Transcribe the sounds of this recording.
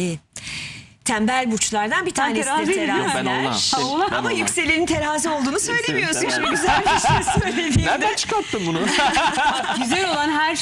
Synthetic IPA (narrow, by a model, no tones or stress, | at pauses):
t̪ʰæmbælʲbut͡ʃlˠaɾd̪anbit̪ʰaːnesid̪iɾt̪ʰeɾaæɾamajycse̞lʲiɾint̪ʰe̞ɾaːzɛo̞lˠd̪uːnusø̞jlʲe̞mijo̞ɾsunʃʰiɟyzælʲʃssø̞jlʲe̞d̪ijd̪æt͡ʃʰɯ̥kat̪ʰːɯmbunu | yzɛɾolˠanɦæɾ